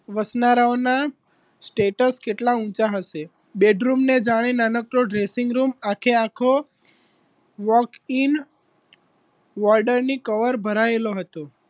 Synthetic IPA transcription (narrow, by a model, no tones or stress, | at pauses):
ʋəsnaɾaona | sʈeʈəskeʈlãũt͡ʃaɦəʃe | beɖɾumned͡ʒaɽ̃enanəkɾoɖɾesɪŋɡɾumakʰeakʰo | ʋɔkin | ʋɔɾɖəɾnikəʋəɾbʱəɾaeloɦət̪o